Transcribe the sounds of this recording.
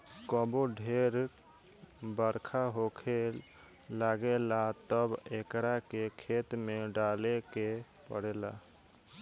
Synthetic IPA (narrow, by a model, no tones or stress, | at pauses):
kəboɖʱeɾ | bəɾkʰaɦokʰe | laɡelat̪əbekɾakekʰet̪meɖaleke | pə̰ɽela̰